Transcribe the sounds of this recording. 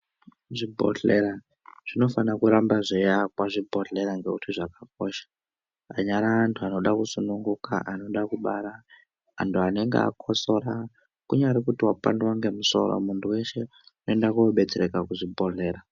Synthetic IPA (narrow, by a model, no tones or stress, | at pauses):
ʐibʱo̰ɮeɾa | ʐ̥ino̞fanakuɾambaʐejakwaʐibʱo̞ɮe̞ɾaŋɡe̞utʰiʐakak̚o̞ʃḁ | aɲaɾaːntʰuano̞ɗakusunuŋɡuka̰ʔano̞ɗakuɓaɾaː | ntʰuane̞ŋɡḛa̰kʰoso̞ɾa | kuɲaɾekutiwapandwaŋɡe̞muso̞̰ɾo̰muntʰuwe̞ʃe̞ | unoendakuoɓe̞t͡seɾekakuʐibʱoɮe̞ːɾa